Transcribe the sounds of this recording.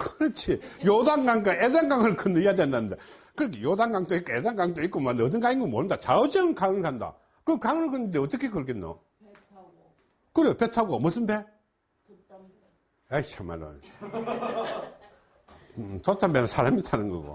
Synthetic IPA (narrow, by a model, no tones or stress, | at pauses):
kɯɾʌt͡ɕʰijodaŋɡaŋɡaedaŋɡaŋɯɭkɯnɯijadwendanɯnd̪e̞ | kɯɾikʰejodaŋɡaŋtoik͈ːoedaŋɡaŋtoik͈omandʌd̬ɯnɡaiŋɡɯmoɾɯnd̪at͡ɕaɯd͡ʑenɯnkaŋɯɭkanda̰ | kɯkaŋɯɭkɯnːɯnd̪eʌt͈ʌkʰekɯɭkenːo̰ | kɯɾejopetʰaɡomʌs̬ɯmbe | aiɕʰama̰ɾo̰n | totʰambenɯnsʰaɾamitʰanɯnɡʌ̰ɡo̰